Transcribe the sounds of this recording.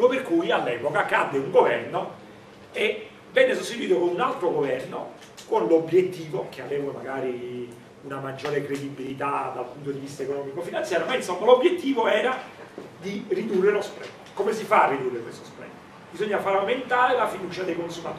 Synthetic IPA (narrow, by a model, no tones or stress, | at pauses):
operkujalːɛːpokakad̪ːeuŋɡovɛrno | e | vɛnːesost̪it̪uiːt̪̬okonunalt̪ɾoɡovɛrno | konlobːjet̪ːiːvokeaveːvamaɡaːɾi | unamad͡ʒːoːɾekɾed̪ibilit̪ad̪alpunt̪od̪ivist̪aekonɔːmikofinant̪sjaːɾjomainsomːalobjet̪ːiːvoɛːɾad̪irid̪urːelospɾɛ̰nːkomesifarːid̪urːekwest̪ospɾɛ̰nː | bizoɲːafaɾament̪aːɾelafid̪uːt͡ʃad̪ejkonsumat̪ː